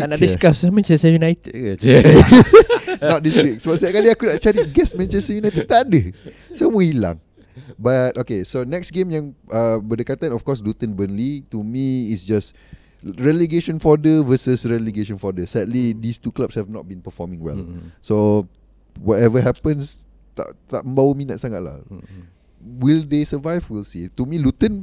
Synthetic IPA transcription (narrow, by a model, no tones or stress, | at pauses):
anaiskasamɛ̃nt͡ʃɛstəjunajt̪əd̚ad͡ʒ | nɔt̚diswiksbatsakaliakunaʔt͡ʃaɾiɡɛsmɛ̃nt͡ʃɛstəjunajt̪ət̪adə | somə̃hilã̰ŋ | batokesonɛksɡẽmjãŋʔəbədəkat̪ãnɔfkɔsdut̪ə̃nbənlitumiːsd͡ʒas | ɹɛleɡeʃə̃nfɔdəvəsəsɹɛliɡeʃə̃nfɔdəsɛdlidist̪uklapshɛvnɔ̰t̚bĩnpəfɔmĩŋwɛ̰lso | wɔtɛvəɦɛpə̃ns | t̪a̰ʔt̪a̰ʔmə̃mbawəmĩna̰t̪̚saŋa̰t̚la̰ | wildesəvajvwilsit̪umĩlut̪ə̃n